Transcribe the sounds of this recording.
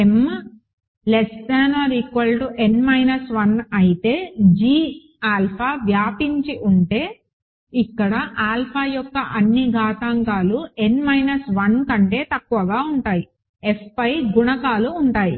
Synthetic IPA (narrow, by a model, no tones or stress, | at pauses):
em | lesʈaːnɐɾikʋɐlʈuʔenmɐjnɐsʋɐnɐjit̪e̞ːd͡ʒiː | aːlpʰaːʋjaːpiɲt͡ʃiʔuɳʈe̞ː | ikːɐɽɐʔaːlpʰaːjɔkːɐʔɐnːiɡʱaːt̪aːŋkaːlue̞nmɐjnɐsʋɐnkɐɳʈe̞ːt̪ɐkːuʋɐɡaːuɳʈaːji | epʰːɐjɡuɳɐkaːluːɳʈaːjḭ